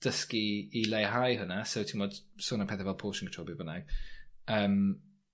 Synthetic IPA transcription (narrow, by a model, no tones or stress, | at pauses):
d̥əskiːlejɦajɦʊnasowtʰɪmɔd̥soːnapʰɛːθavɛlˠpʰoːʃənkətʰɔːbɪbəna̰ɡ | əːm